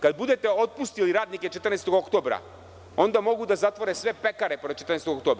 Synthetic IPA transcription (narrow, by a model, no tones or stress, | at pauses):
kad̪̚bud̪et̪ɛot̪̚pust̪iliɾaːd̪niket͡ʃet̪r̩nɛst̪oɡokt̪oːbɾa̰ | o̞nd̪amo̞ɡud̪azat̪vʋoɾesʋepekaɾepoɾt͡ʃet̪ɾrnɛst̪oɡok̚t̪oːbɾa